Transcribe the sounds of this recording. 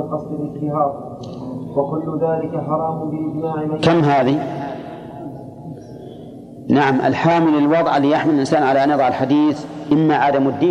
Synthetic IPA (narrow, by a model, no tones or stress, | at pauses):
qɑsˤd̪ɪlɪk̪ɪhaːɾ̚ˤ | wakʊlːʊðaːlɪkaħɑɾˤɑːmʊnbɪʔɪd͡ʒmaːʕɪakamːɦaːði | naʕamʔa̰lħaːmɪlɪlwɑðˤʕalːiːjaħmɪlalʔɪnsaːnʕalaʔanjɑðˤɑʕalħad̪iːθʔɪmːaʕaːd̪amad̪ːiː